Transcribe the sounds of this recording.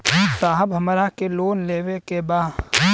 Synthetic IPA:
saːɦəbɦɐmɾakeloːnleːʋekebaː

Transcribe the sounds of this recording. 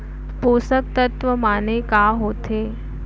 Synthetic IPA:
posək̚t̪ət̪ʋəmaːnekaːɦoːt̪ʰe

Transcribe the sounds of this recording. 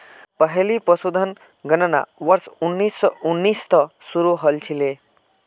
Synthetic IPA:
pəɦɛlipəsud̪ʱən | ɡənəna̰ʋʌɾsunːisːʌunːist̪ʌsuɾuɦəlt͡ʃʰile

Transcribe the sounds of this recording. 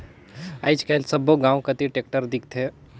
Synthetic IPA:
aːit͡ʃkalsɐboɡãːũkɐt̪iʈeːk̚ʈəɾd̪ɪk̚t̪ʰe

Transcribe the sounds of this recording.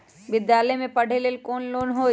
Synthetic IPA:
ʋɪd̪jaːləjmẽpɐɽ̤ʱeleːlkoːnloːnɦoː

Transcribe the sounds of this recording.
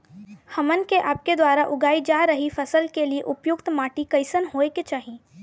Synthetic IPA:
hɐmənkeʔaːp̚ked̪waːɾaʔʊɡaːid͡ʒaːɾɐɦifɐsəlkelieʔʊpjʊkt̪maːʈikɐɪsənɦoːeket͡ʃaːɦi

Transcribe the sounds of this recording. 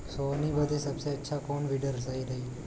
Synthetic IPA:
sonibəd̪ʱesəbseətːʰakoɳʋiɖəɾsaiɾəɦi

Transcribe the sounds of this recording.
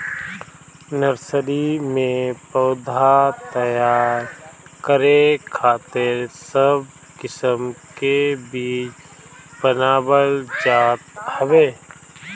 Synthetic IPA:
nəɾsəɾimẽpəːd̪ʱat̪əjaːɾkəɾekʰaːt̪ɪɾsəb̚ | kɪsəmkebiːt͡ʃ | pənaːbəld͡ʒaːt̪həʋeː

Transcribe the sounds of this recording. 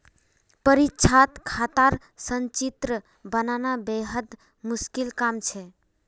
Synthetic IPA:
pəɾitːt͡ʃʰat̪kʰat̪aɾ | sənt͡ʃit̪ɾə | bənanabeɦəd̪ | muskilkamt͡ʃʰɛ

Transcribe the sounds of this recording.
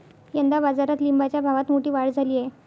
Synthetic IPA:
jənd̪abad͡zaɾat̪limbat͡ɕjabʱaʋat̪moʈiːʋaɽd͡zʱaliːje

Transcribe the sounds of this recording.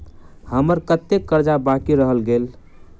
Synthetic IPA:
həməɾkət̪ːekːəɾd͡ʒabakiɾəɦəlɡel

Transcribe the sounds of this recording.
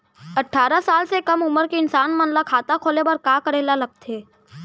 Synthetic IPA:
ɐʈʰːaːɾasaːlsekɐmʊməɾkeɪnsaːnmɐnlakʰaːt̪akʰoːlebɐɾkaːkəɾeːlalɐɡ̚t̪eː

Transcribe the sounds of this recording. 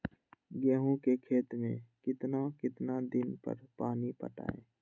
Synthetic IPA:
ɡɛːɦũkekʰeːt̪mḛ̃ːkɪt̪nakɪt̪nad̪ɪnpə̰ɾpaːnipə̰ʈa̰ːeː

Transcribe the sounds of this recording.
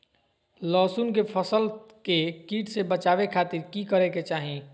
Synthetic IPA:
lɔːsuːnkepʰəsəlkekiːʈsebət͡ʃaːʋekʰaːt̪ɪɾkikəɾeket͡ʃaːɦĩ

